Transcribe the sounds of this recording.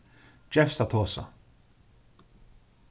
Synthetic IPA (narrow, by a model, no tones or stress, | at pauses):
d͡ʒɛfsat̪ʰoːsa̰